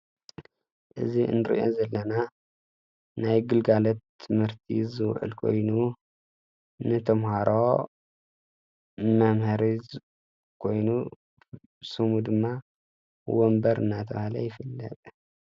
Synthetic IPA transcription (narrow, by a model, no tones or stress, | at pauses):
ʔɨziɨ̰nɨɾḭʔo̰zɐlːɐna | najɡɨlɡalɐt̪ʰːɨmhɨɾt̪ʰizɨwʔɨ̰lkʰo̞̰jnu | nɨt̪ʰɐmhaɾo | mɐmhɐɾi | kʰo̞jnu | sɨmud̪ɨmːa | wombɐɾɨ̰nːat̪ʰɐβahlɐ̰jɪfɨlːɐ̰t̪ʼ